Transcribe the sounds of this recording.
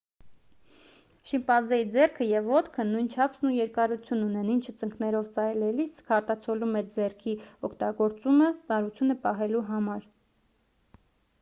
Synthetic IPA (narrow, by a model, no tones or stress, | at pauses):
ʃimpɑzɛjid͡zɛrkʰəjɛvɔt̪kʰənujnt͡ʃʰɑpʰsnujɛɾkɑɾut͡sʰjununɛnint͡ʃʰət͡səŋknɛɾɔvt͡sɑjlɛliskʰɑɾt̪ɑt͡sʰɔlumɛt͡sd͡zɛrkʰiɔkʰt̪ɑɡɔɾt͡sumət͡sɑnɾut͡sʰjunəpɑɦɛluɦɑmɑɾ